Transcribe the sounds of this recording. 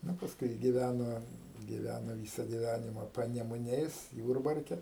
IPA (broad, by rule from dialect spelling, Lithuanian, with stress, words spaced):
ˈnʊ pɐsˈkʊɪ ɡʲɪˈʋʲænoː ɡʲɪˈʋʲænoː ˈʋʲiːsɐ ɡʲɪˈʋʲænʲɪmɐ pɐnʲɛmʊˈnʲɛɪs ˈjuːrbɐrʲkʲɛ